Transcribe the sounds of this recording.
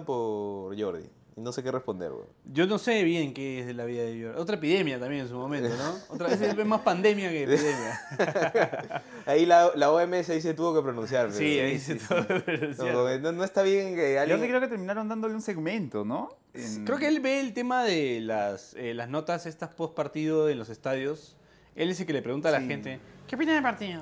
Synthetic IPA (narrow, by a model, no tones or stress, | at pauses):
poɾʝo̞ɾðḭ | inose̞kerespo̞nd̪ḛɾwḛɟ͡ʝo̞no̞se̞βje̞ŋke̞ezðelaβiðaðeʝoɾio̞t̪ɾaepiðe̞mjat̪ambje̞ŋens̬umo̞mẽntonoot̪ɾaβes̬eβemaspand̪e̞mjakeːiðemja | ailaolaoemeesaiset̪uβo̞kepɾonũns̬jaɾesiaiset̪uβokepɾonũnsjaoenonoest̪aβjeŋŋkealosekɾeoket̪eɾmĩnaɾo̞nd̪and̪oleunse̞ɣmẽnt̪ono | ekɾeokeelbe̞ːlt̪e̞maðelaselazno̞t̪ase̞st̪aspospaɾt̪iðoenlo̞sest̪aðjo̞s | e̞les̬elkele̞pɾe̞ɣunalaxe̞nt̪e̞keopinaðepaɾt̪io